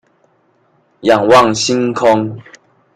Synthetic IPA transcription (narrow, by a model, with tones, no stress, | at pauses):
ja˨˩ŋwa˥˨ŋɕi˦ŋkʰɔ˦ŋ